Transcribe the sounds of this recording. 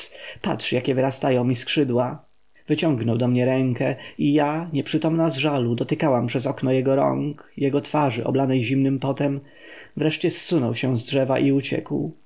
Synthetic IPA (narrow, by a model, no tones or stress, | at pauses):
pa̰tʂjakʲɛvɘɾast̪ajɔ̃w̃miskʂɘd̪wa | vɘt͡ɕɔŋɡnɔwd̪ɔmɲɛɾɛŋkɛijaɲɛpʂɘt̪ɔmnazʐalud̪ɔt̪ɘkawampʂɛzɔknɔjɛɡɔɾɔ̰ŋkjɛɡɔt̪faʐɘʔɔ̰blanɛjʑimnɘmpɔt̪ɛm | vɾɛʂt͡ɕɛsːunɔwɕɛzdʐɛvaʔiut͡ɕɛ̰kw